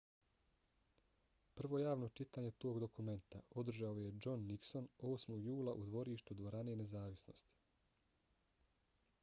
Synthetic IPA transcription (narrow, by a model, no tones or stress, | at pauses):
pr̩ʋo̞jaːʋno̞t͡ʃit̪aːɲet̪o̞ːɡd̪o̞kume̞nt̪ao̞d̪r̩ʒaoje̞d͡ʒo̞nːikso̞no̞ːsmo̞ɡjuːlˠaʔud̪ʋo̞ɾiːʃt̪ud̪ʋo̞ɾane̞ne̞zaːʋisno̞̰st̪i̥